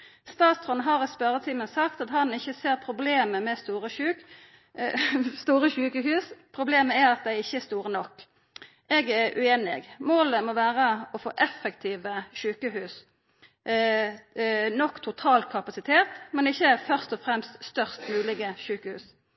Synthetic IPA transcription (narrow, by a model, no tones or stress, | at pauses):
st̪ɑːt̪sʁɔnɦɑʁspœʁət̪ʰiːmənsɑkt̪ɑt̪hɑnɪçːəseːʁpʰʁʊbleːməmɛst̪uːʁəʃʉːk | st̪uːʁəɕʉːkəhʉːspʰʁʊbleːməæʁɑt̪̚d̪æɪɪçːəɛst̪uːʁənɔkː | ʔɛɡæʁʔʉ̰eːnɪ̰ɡmoːləmɔʋæːʁəɔfo̰ːʔɛfːɛkt̪ʰiːʋəʃʉːkəɦʉːs | nɔkːt̪ʰʊt̪ʰɑːlkʰɑpɑsɪt̪ʰeːt̪mɛnɪçːəɛfœʁst̪ɔfʁɛmst̪st̪œʁst̪mʉːlɪɡəʃʉːkəhʉ̰ːs